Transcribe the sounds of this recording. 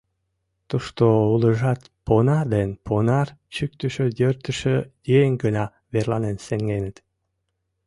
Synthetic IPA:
t̪uʃt̪ouləʒɑt̪ | ponɑrd̪enpʰonɑrt͡ɕyk̚t̪əʃøjørt̪əʃøjejəŋɡənɑ | βerlɑnenseŋɡenət̪

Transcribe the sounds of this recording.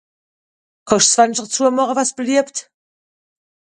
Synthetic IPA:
kʰɔʃt͡svanʃəʁt͡suɐmɔʁəvasb̥əliəpt

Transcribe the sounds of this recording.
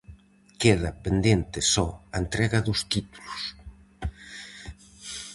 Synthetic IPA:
keð̞ɐpend̪ent̪ɪsɔɐent̪ɾɛɣɐðʊst̪it̪u̥lus

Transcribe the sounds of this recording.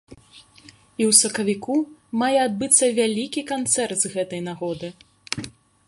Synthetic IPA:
iwsɐkɐvʲikumajɛad̪̚bɨt̪sːɐvʲalʲikʲikant̪sɛrt̪zɣɛt̪ɐjnaɣɔd̪ɨ

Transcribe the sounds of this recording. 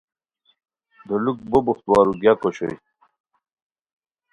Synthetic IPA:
d̪oluk̚bobuχt̪wɑːɾuɡjakoɕo̰j

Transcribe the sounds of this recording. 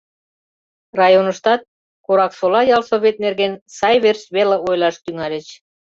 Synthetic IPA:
rɑjonəʃt̪ɑt̪̚ | koɾɑksolɑjɑlsoβʲet̪̚nerɣensɑjβersβeləojlɑʃt̪yŋɑlʲə̆t͡ɕ

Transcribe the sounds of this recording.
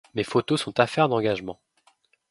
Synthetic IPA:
mefot̪osɔ̃t̪afɛʁd̪ɑ̃ɡaʒmɑ̃

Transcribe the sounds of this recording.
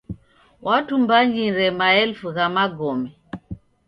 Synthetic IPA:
wʔatumbaɲiɾɛmaɛlfuɣamaɡɔmɛ

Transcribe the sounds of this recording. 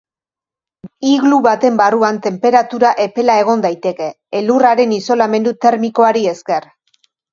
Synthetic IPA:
iɣluβat̪e̞mbaruant̪e̞mpe̞ɾat̪uɾaʔe̞pe̞lae̞ɣ̞o̞nd̪ajt̪e̞ke̞ːluraɾe̞niso̞lame̞nd̪ut̪e̞ɾmiko̞aɾie̞ske̞r

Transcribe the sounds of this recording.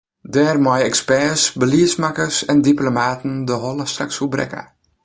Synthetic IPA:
dɛːrmajɛkspɛːsbəliəsmakəsɛndiplomaːtəndəɦɔlˠəstrakshubɾɛ̰kə̰

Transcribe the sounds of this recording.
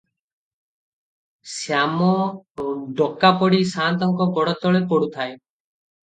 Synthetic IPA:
sjamɔ | ɖɔkapɔɽisant̪ɔŋkɔɡɔɽɔt̪ɔɭepɔɽut̪ʰae

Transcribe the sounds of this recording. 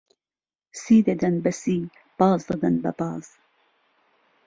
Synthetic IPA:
siːd̪ed̪ɐnbɐsiː | pɑːzd̪ɐɡ̪ɐnbɐ̰pɑːz̥

